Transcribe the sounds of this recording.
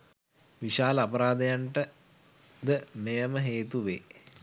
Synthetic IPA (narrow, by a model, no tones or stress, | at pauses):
ʋiʃaːləapɐɾaːd̪ejaɳʈə | d̪əmejəməɦeːt̪uʋeː